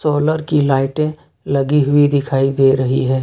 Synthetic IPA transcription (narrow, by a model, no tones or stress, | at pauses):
soːləɾkilaːɪʈẽ | lɐɡiɦʊid̪ɪkʰaːid̪eːɾɐɦḭɦɛː